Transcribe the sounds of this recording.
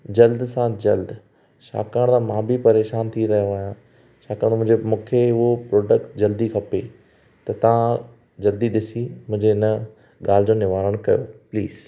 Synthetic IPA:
d͡ʑɐld̪sãd͡ʑɐld̪ | ʃa̰ːkaːɽ̃d̪ãmãːbɪpɐɾeːʃaːnt̪ʰiɾɐɦijoaːjã | ʃaːkaːɽ̃mʊ̃ɪ̃d͡ʑemũːkʰeʊɦopɾoːɖəkʈd͡ʑɐld̪ikʰɐpe | t̪ɐt̪ɐʋ̤ã | d͡ʑɐld̪iɗɪsimʊ̃ɦɪ̃ɲd͡ʑenɐ | ɠaːl̤ɪd͡ʑoːnɪʋaːɾəɽ̃kɐjopliːz̥

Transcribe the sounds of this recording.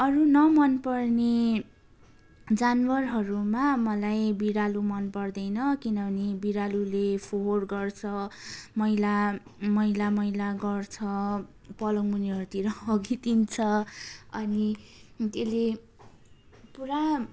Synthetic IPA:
ʌɾunʌmʌnpʌrne | d͡zanwʌrɦʌɾumamʌlajbiɾalumʌnpʌrd̪ʌjnʌkinʌbʱʌnebiɾalulepʰoɦrɡʌrt͡sʰʌmʌɦilamʌilamʌilaɡʌrt͡sʰʌ | pʌlʌŋmuniɦʌɾut̪iɾʌːɡit̪int͡sʰʌʌnit̪ele | puɾa

